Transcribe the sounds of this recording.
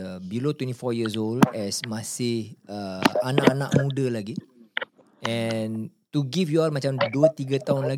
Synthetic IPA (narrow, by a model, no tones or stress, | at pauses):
əbilot̪wɛ̃ntifɔjiəs̬oldɛsmasɪhəanaʔanaʔmudalaɡi | ɛnt̪uɡifjualmat͡ʃamduət̪iɡat̪aʊnla